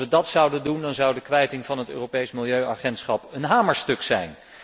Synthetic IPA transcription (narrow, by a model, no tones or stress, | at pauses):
ʋədɑtsɑwdəndundɑnzʌwdəkʋɛjtɪŋvɑnɦətø̰ːropejsmɪlˠjøɥʔɑχɛntsχɑpənɦaːməɹstɵksɛjn